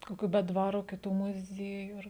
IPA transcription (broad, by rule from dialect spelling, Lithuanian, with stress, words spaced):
koːˈkʲuː bʲɛ ˈdʋɑːroː kʲɪˈtuː mʊˈzʲiɛjuː ˈɐr